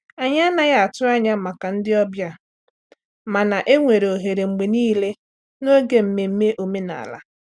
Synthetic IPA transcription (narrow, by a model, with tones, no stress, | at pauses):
a˨ɲa˦a˦na˨ja˦˨a˨tʊ˦a˦ɲa˦˨ma˨ka˨n̩˦dɪ˦ɔ˦bja˦ | ma˨na˨ʔe˦ŋʷe˨ɾe˨o˨ɦe˨ɾe˨ŋ͡m̩˨ɡ͡be˨niː˦le˦ | no˦ɡe˦m̩˦˨me˨m̩˦me˦ʔo˨me˦na̰˨a̰˨la̰˦